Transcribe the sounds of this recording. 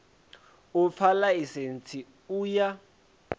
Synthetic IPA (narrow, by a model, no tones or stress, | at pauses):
up̪fʰalaisent͡sʰi | uja